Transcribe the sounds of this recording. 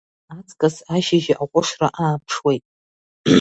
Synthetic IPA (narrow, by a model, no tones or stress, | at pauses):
at͡sʰʼkʼasaʒɪʒaʔaqʷʼʊʂraʔaːpʰʂwejtʼ